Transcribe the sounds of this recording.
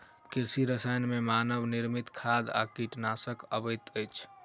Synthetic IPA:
kiɾsiɾəsajnmemanəʋniɾmit̪kʰad̪a̰kiʈnasəkəbəjt̪əjt͡ʃʰ

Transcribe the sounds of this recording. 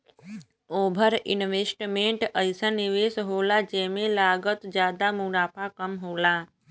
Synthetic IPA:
obʱəɾḭnʋesʈmeɳʈəjsaniʋesɦolad͡ʒemẽlaɡət̪d͡ʒjaːd̪amuɾapʰakəmɦola

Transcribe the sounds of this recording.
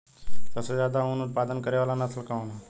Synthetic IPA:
səbsezjaːd̪aʊnʊt̪̚paːd̪ənkəɾeʋaːlanat̪ʰəlkãõna

